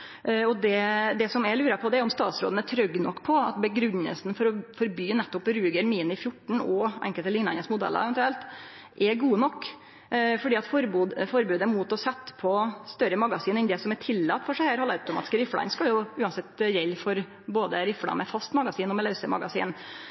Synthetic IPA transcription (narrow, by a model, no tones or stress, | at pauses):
ɔd̪ɛd̪ɛsɔmɛlʉːɾɑpʰɔd̪ɛæɾjɔmst̪ɑːt̪sɾo̰ːd̪ənət̪ʰɾœɡːnɔkːpʰɔɑ̰t̪bəɡɾʉnːə̰lsn̩fɔɾɔfɔɾbyːnɛt̪ːɔpɾʉːɡəɾmiːnɪfjʊʈːɳ̩ɔʔɛ̰ŋkəlt̪əlɪŋnɑnəsmʊd̪ɛ̰lʔə̰ɾɛʋɛnt̪ʉɛlt̪ | ʔɛɡuːənɔkː | fɔɖiːɑt̪fɔɾbuːd̪fɔɾbʉːd̪əmut̪ɔsɛt̪ːpʰɔst̪œɾəmɑɡɑsiːnɛnd̪ɛsɔmɛʈʰɪlːɑt̪ːfɔʂæhæːɾhɑləɾʉt̪ʊmɑ̰ːt̪ɪ̥skɾɪflɑ̰nskɑljʊʉːɑnsɛt̪ːjɛlːfɔɾ | boːd̪əɾɪflɑ̰mɛfɑst̪mɑɡɑsiːnɔmɛlɛʉsəmɑ̰ɡɑsḭːn